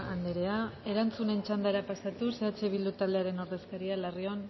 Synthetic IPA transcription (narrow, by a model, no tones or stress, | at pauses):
and̪eɾe̞ae̞ɾant͡sune̞nt͡ʃand̪aɾapasat̪use̞at͡ʃe̞β̞ild̪ut̪ald̪e̞aɾe̞no̞ɾðe̞skaɾialarion